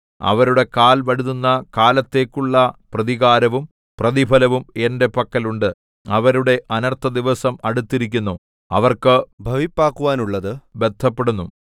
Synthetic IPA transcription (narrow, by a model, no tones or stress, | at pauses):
ɐ̰ʋɐɾuɽe̞kaːlʋɐɽuðunːɐkaːlɐt̪ːe̞ːkːuɭːɐprɐðiɣaːɾɐʋum | prɐðibʱɐlɐʋume̞nde̞pɐkːɐluɳɖɨ | ɐʋɐɾuɽe̞ʔɐnɐrt̪ʰːɐd̪iʋɐsɐmɐɽut̪ːiɾikʲːunːu | ɐʋɐrkɨbʱɐʋipːaːkːuʋaːnuɭːɐðɨbe̞d̪ʱːɐpːe̞ɽunːu